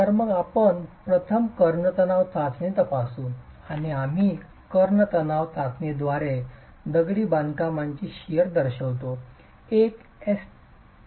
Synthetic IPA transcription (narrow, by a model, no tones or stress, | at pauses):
t̪aɾməɡapəɳpɾət̪ʰəmkəɾɳət̪ənaʋt̪ʰat͡snet̪əpasuañiam̤i | kəɾɳət̪ənaʋt̪ʰat͡sned̪ʋaɾe | d̪əɡɽiːband̪kamaɲt͡ɕiːɕijəɾd̪əɾɕəʋt̪o | ek | es